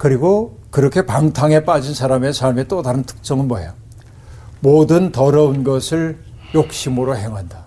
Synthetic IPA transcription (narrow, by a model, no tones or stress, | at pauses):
kɯɾiɡokɯɾʌkʰe̞paŋtʰaŋe̞p͈ad͡ʑinsʰaɾame̞sʰaɭme̞t͈odaɾɯntʰɯ̥k̚s͈ʌŋɯnmʌja | modɯntʌɾʌunɡʌsʰɯɭ | jok̚ɕ͈imɯɾoɦe̞ŋɦanda